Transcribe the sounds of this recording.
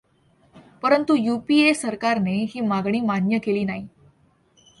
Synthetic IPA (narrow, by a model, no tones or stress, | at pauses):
pəɾənt̪ujupiːesəɾkaɾneɦiːmaɡɳ̃iːmanjəkeliːnaɦi